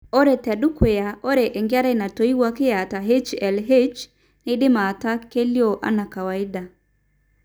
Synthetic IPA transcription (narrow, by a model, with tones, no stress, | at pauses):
o˦ɾe˨tɛ˨du˦kweao˦ɾe˨ʔe˨ŋɡe˦a˦ɾa˦i˨na˨to˦i˦ɣwa˦ke˦ja˨ta˨ɦet͡ʃɛlɦet͡ʃ | ne˦de˦ma˨ta˦ke˦ljɔ˦ʔa̰˦na˨ka˨wai˦da